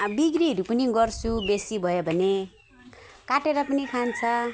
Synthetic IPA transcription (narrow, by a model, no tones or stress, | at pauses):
biɡriɦʌɾupʌniɡʌrt͡sʰubesibʱʌjobʱʌne | kaʈeɾʌpʌnikʰant͡sʰʌ